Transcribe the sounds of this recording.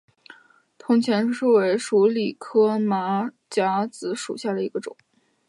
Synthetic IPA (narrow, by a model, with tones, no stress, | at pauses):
t̪ʰʊ˧˥ŋt͡ɕʰjɛ˧˥n̩˥˧ʂu˥˩we˧˥ɪʂu˧˥li˨˩kʰɤ˥ma˧˥ | t͡ɕja˧˥t͡sɹ̩˧˥ʂṵ˨˩ɕja˥˩d̪ə˩i˧˥ɡə˧ʈ͡ʂʊ̰˨˩˦ŋ